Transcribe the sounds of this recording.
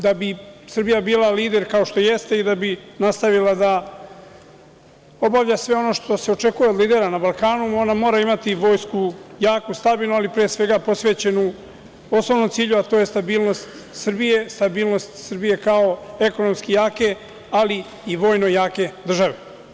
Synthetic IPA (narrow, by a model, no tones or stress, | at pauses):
d̪abisr̩bijabiːlˠaliːd̪e̞ɾkaoʃt̪o̞je̞st̪e̞id̪abinast̪aʋilad̪a | o̞baʋʎasʋe̞o̞no̞ʃt̪o̞se̞o̞t͡ʃe̞kujed̪liːd̪e̞ɾanabalˠkaːnuo̞namo̞ːɾaimat̪iʋo̞ːjskujaːkust̪abiːlˠnualipɾijesʋe̞ɡapo̞sʋe̞t͡ɕe̞nu | o̞snoʋno̞mt̪siːʎuat̪o̞ːje̞st̪abiːlˠno̞st̪ | sr̩bije̞st̪abiːlˠno̞st̪srbije̞kao̞e̞ko̞nomskijaːke̞ | ali | iʋo̞ːjno̞jaːke̞d̪r̩ʒaʋe